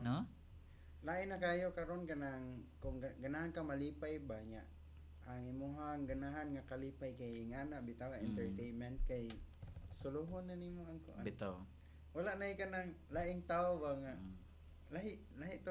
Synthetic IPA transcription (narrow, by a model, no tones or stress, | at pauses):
no | laʔɪnːakajokaɾonkanaŋkʊŋɡanaɦankamalipajbaɲaʔ | aŋimuɦaŋɡanaɦanŋakalipajkajŋanaʔbit̪aŋaʔɛnt̪ɛɹt̪ejnmɛnt̪̚kajsʊluɦʊnːanimoaŋkʊʔabit̪a | walaʔnajkanaŋlaʔɪŋt̪aʊbaŋaʔ | laɦɪʔlaɦɪʔt̪a